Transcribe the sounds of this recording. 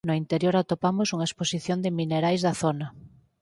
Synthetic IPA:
noint̪eɾjoɾat̪opamosuŋaesposiθjond̪emineɾajzðɐθonɐ

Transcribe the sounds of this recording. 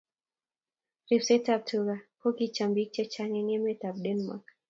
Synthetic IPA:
rifsɛtap̚tuɡakokit͡ʃambik̚t͡ʃɛt͡ʃaŋɛŋɛmɛt̪abɗɛnma̰k

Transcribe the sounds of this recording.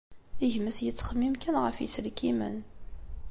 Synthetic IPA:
iʝməsjət͡sːχəmːimkænʁəfjḭslkimə̰n

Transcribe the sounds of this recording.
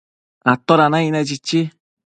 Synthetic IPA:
at̪ːoɾanãinɛd͡ʒit͡ʃːi

